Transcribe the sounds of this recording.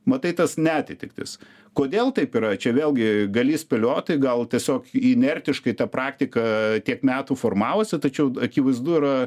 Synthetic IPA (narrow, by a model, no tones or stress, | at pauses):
mɐt̪ɐɪt̪ɐsnʲɛæːt̪ʲɪt̪ʲɪ̰k̚t̪ʲɪ̰s | koːd̪ʲeːlˠt̪ɐɪpiːɾɐt͡ʃʲɛʋʲeːlʲɡʲɪɡɐlʲiːsʲpʲɛlʲoːt̪ɐɪɡɐlˠt̪ʲiɛsʲoːkinʲɛrʲt̪ʲɪʃkɐɪt̪ɑpɾɑːkt̪ʲɪkɐt̪ʲiɛkmʲæːt̪ufoːrmɑːʋoːsʲɪt̪ɐt͡ʃʲɛʊɐkʲiːʋɐɪzd̪uɪɾɐ